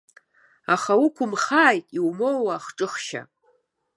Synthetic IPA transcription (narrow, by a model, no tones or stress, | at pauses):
aχaukʷʰʊmχaːjtʼiwmowwaːχʈ͡ʂʼɨχʃa̰